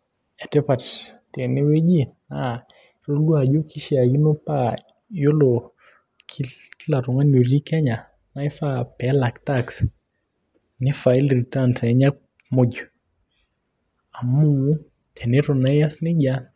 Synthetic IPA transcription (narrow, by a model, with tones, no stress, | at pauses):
ɛ˨tɛ˦pat | tɛ˨nɪ˦we˦d͡ʒi˦ | a | ɾo˦ɡu˦a˨d͡ʒo˦kʰi˦ʃia˨ɡi˦no˦pa | jo˦lɔ | kʰikilaɾɔ˨ŋa˦nu˨ɾi˦kɛ˦ɲa˨ | na˦i˦fapɛla˨ktaks | nɪ˦fa˨ilritansaɛɲa˦ | mo˦d͡ʒɔ˨ | a˨mu˦ | tʰɛ˨nɛɾɔna˦jasnɪ˦d͡ʒa